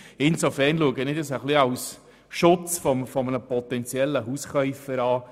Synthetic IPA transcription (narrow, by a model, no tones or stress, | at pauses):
ɪnsɔfɛrnluəɡənɪd̪əsəχliɑws | ʃʊt͡sfɔmfɔmənəpɔt̪ɛnt͡sjɛlːəɦusχœʏfəɾɑː